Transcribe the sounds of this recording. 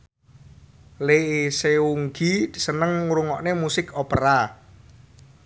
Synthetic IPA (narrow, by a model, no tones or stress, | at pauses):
leiseuŋɡidsənəŋuɾuŋɔʔnemusɪkopəɾa